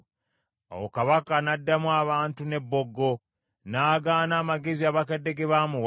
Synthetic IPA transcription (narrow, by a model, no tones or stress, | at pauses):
o̰wokaβakanadːamwaːβaːntune̞bːo̞ɡːo̞ | naːɡaːnaːmaɡe̞ziaβakede̞ɡeβamuw